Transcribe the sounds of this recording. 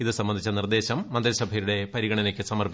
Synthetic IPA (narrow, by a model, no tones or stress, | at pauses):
iðɨsɐmbɐnd̪it͡ɕːɐnird̪e̞ːɕɐmːɐnd̪ɾisɐbʱɐjɾuɽe̞pɐɾiɣɐɳɐnekʲːɨsɐmɐrpi